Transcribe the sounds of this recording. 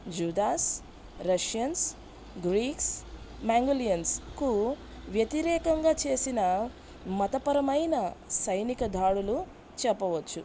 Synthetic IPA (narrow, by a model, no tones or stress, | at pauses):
d͡ʒuːd̪aːs | ɾɐʂjɐns | ɡɾiːks | maːŋɡulijɐnsku | ʋjɐt̪iɾɛːkɐŋɡaːt͡ʃe̞ːsinɐ | mɐt̪ɐpɐɾɐmɐjnɐsɐjnikɐd̪ʱaːɽulu | t͡ʃɛpːɐʋɐt͡ʃːu